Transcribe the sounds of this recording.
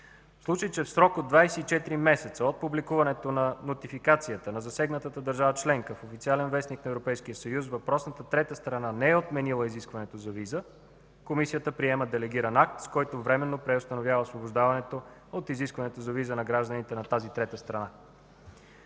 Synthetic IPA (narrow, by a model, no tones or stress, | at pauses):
slˠut͡ʃəjt͡ʃɛfsɾɔkod̪d̪vajsɛit͡ʃɛt̪iɾimɛsɛt̪səot̪̚publikuvɐnɛt̪onɐnot̪ifikat̪sijət̪ənɐzɐsɛɡnət̪ət̪əd̪əɾʒavət͡ʃlɛŋkəfofit̪sialɛnvɛsniknɐɛvɾopɛjsk̟ijəsəjusvɐpɾɔsnət̪ət̪ɾɛt̪əst̪ɾɐnanɛɛot̪mɛnilˠəiziskvɐnɛt̪ozɐvizə | komisijət̪əpɾiɛməd̪ɛlɛɡiɾɐnak̚t̪skɔjt̪ovɾɛmɛnːopɾɛost̪ɐnovʲjavəosvoboʒd̪avɐnɛt̪o | ot̪iziskvɐnɛt̪ozɐvizənɐɡɾaʒd̪ənit̪ɛnɐt̪azit̪ɾɛt̪əst̪ɾɐna